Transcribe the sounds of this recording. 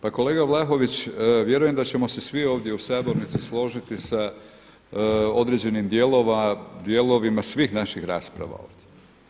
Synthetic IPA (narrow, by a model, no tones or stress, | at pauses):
pako̞le̞ːɡablˠaxo̞ʋit͡ɕʋje̞ɾuje̞md̪at͡ɕe̞mo̞sesʋio̞ːʋd̪jeusabo̞ɾnit̪sislˠo̞ʒit̪isa | o̞d̪ɾe̞d͡ʑe̞nimd̪je̞lo̞ʋad̪je̞lo̞ʋimasʋiːxnaʃixɾa̰ːspɾa̰ʋa̰o̞̰ːʋd̪je